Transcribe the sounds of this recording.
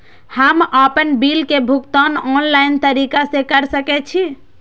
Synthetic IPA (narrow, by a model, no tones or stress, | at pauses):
həməpənbilkebʱukt̪anɔnlaint̪əɾikasekəɾsəkɛt͡ʃʰi